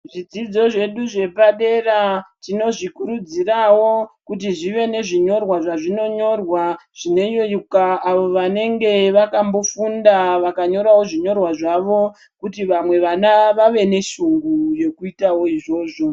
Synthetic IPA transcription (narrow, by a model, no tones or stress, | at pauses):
ʐid͡zid͡zo̞ʐe̞ɗuʐe̞paɗe̞ratino̞ʐikuɾud͡zirawo̞kut̬iʐiʋe̞ne̞ʐiɲo̞rwaʐaʐino̞ɲo̞rwaʐ̥ine̞ijojukaːʋo̞ʋane̞ŋɡe̞ʋakambo̞fundaʋakaɲo̞ɾawo̞ʐiɲo̞rwaʐaʋo̞ | kutiʋamwe̞ʋanaʋaʋe̞ne̞ʃuŋɡuje̞kuitawo̞iʐo̞ːʐo̞